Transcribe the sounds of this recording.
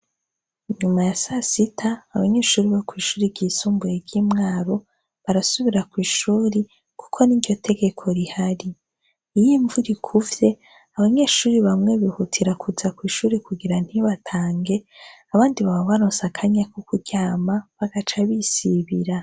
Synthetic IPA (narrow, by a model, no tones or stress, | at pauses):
iɲumajasasitʰaːβaɲe̞ːʃuːɾiβakwiːʃuːɾibɟiːsuːmbujeɾɟimŋaːɾo̞ | βaɾasuβiɾakwiːʃuːɾi | kʰu̥kʰo̞niɾɟo̞tʰe̞ɡe̞kʰo̞ɾihaɾi | ijiɱvuɾikʰuvje̞ː | βaɲe̞ːʃuːɾiβamŋe̞βihutʰiɾakʰuzakwiːʃuːɾikuɡiɾan̥hiβatʰaːŋɡe̞aβaːndiβaβoβaɾonsakʰaɲakʰokuɟaːmaβaɡat͡ʃaβisiβiɾa